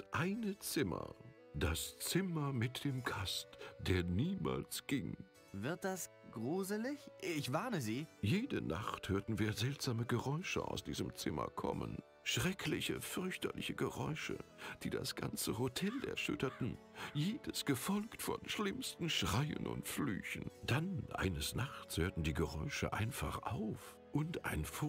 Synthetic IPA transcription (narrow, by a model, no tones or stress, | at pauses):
ʔaɪnət͡sɪmɐ̰ | d̥ast͡sɪmɐmɪt̚d̥eːmkʰastd̥eːɐniːma̰ːlsɡ̥ɪŋ | vɪɐt̚d̥as | ɡ̥ʁuːzəlɪçɪçv̥aɐnəziːjeːdəna̰χthøːɐtn̩viːɐzɛltz̥aːməɡəʁɔʏʃə̰ʔa̰ʊsd̥ḭːzəmt͡sɪmɐ̰kʰɔ̰mə̰n | ʃʁ̥ɛkʰlɪçəfʏʁɐçtɐlɪ̰çəɡəʁɔʏʃə̰d̥iːda̰sɡ̥a̰nt͡səɦotʰɛlɛ̰ɐʃʏ̰tɐtn̩ | jeːdəsɡ̥əfɔlktfɔnʃlɪmstn̩ʃʁ̥aɪə̰nʔʊ̰ntfly̰ːçn̩d̥anʔa̰ɪnəsnaχt͡shøːɐtn̩diːɡəʁɔʏʃə̰ʔa̰ɪnfaχʔaʊf | ʔʊnta̰ɪnf